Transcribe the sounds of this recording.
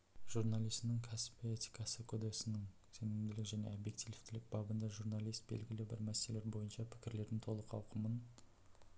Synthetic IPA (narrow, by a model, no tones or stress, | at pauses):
ʒ̥uɾnɑlˠijst̪nɪŋkʲʰæsɪ̥pet̪i̥kɑsəkʰod̪eksɪnɪŋ | senɪmd̪ɪlɪkʒæne̞̰obje̞kt̪ivɪt̪ɪlɪk̚bɑbənd̪ɑʒuɾnɑlˠijst̪̚bḛlɡʲɪlɪbɪɾmæse̞le̞ɾbo̞jənʃɑpʰɪ̥kʲɪɾle̞ɾd̪ɪŋt̪ʰo̞lˠəqʰɑwqʰəmən